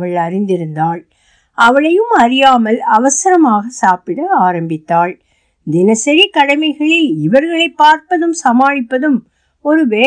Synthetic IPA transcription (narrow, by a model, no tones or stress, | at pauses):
ɐɭɐɾɪnd̪ɪɾɯnd̪aːɭ | ʔɐʋɐɭɐjɯmɐɾɪjaːmɐlɐʋɐsɐɾɐmaːɣɐsaːpɪɽɐaːɾɐmbɪt̪ːaːɭ | d̪ɪnɐsɛɾikːɐɽɐmɐɪɣɐɭeɪʋɐɾɣɐɭɐɪpːaːɾpɐðɯmsɐmaːɻɪpːɐðɯm | ɔɾɯʋeː